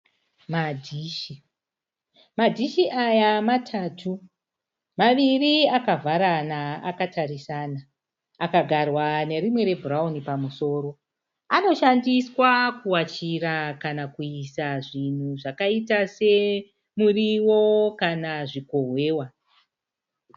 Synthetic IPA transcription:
madʱiʃi | madʱiʃiʔajamatʰatʰu | maʋiriakavʱaɾanaːkatʰarisanaː | kaɡʱarwane̞rimwe̞ɾe̞bʱuraunipamuso̞ːɾo̞ | ano̞ʃandiswakuwat͡ʃiɾakanakuisaʐin̤uʐakaitase̞ | muriwo̞kanaʐiko̞ɦwe̞ːwa

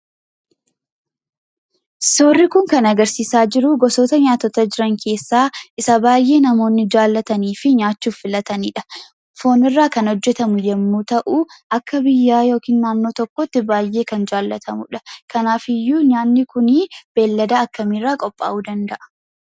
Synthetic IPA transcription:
soːrːɪkʊŋkɐnɐɡɐɾsiːsaːd͡ʒɪɾʊɡɔso̞ːt̪ɐɲaːt̪ɔt̪ɐd͡ʒɪɾɐŋkʰe̞ːsːaːʔɪsɐbaːjʔe̞ːnɐmo̞ːnːɪd͡ʒaːlːɐt̪ɐniːfɪɲaːt͡ʃːuːfːɪlɐt̪ɐniːᶑɐ̥ | fo̞ːnɪrːaːkɐnhɔd͡ʒːɛt̪ɐmʊd͡ʒɛmːuːt̪ɐʔuʔɐkːɐbɪjːaːjo̞ːkiːnːaːnːo̞ːt̪ɔkːɔt̪ːɪbaːjːe̞ːkɐnd͡ʒaːlːɐt̪ʰɐmʊ̰ᶑɐkɐnaːfɪjːuːɲaːnːɪkʊniːb̥e̞ːlːɐd̪aːɐkːɐmiːrːaːkʼɔpʼːa̰ːʔuːd̪ɐnd̪ɐʔɐ̥

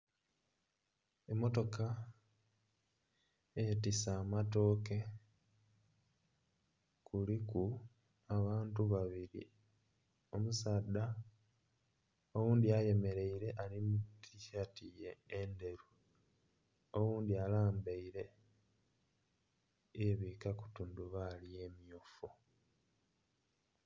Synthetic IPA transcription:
emːo̞to̞ka | etisaːmato̞ːke̞ | kʰuliku | aβaːntuβaβiɾḭ | o̞musaːd̪ːa | o̞wuːnd̪iaje̞me̞ɾe̞iɾe̞ʔalimutʰiçatijeːnde̞ɾu | oɣuːnd̪ialaːmbeiɾe̞ | jeβiːkaku̥tuːnduβalije̞ːmijofu

